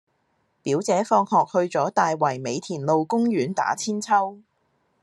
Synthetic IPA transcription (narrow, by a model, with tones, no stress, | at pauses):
piː˨˥wt͡sɛː˨˥fɔː˧ŋhɔː˨k̚hɵ˧ɥt͡sɔː˨˥t̪aː˨jwɐ˨˩jme˨˧jt̪ʰiː˨˩nlo˨˧wkʊ˥ŋjyː˨˥nt̪a̰ː˨˥t͡sʰiː˥nt͡sʰɐ˥w